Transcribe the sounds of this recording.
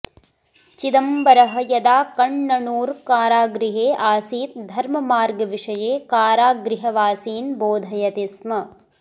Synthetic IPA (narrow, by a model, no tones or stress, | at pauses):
t͡ʃid̪ɐmbɐɾɐɦɐ̆jɐd̪aːkɐɳːɐɳuːɾkaːɾaːɡɾiɦeːʔaːsiːt̪̚d̪ʱɐɾmɐmaːɾɡɐʋiʂɐjeːkaːɾaːɡɾiɦɐʋaːsiːnboːd̪ʱɐjɐt̪ismɐ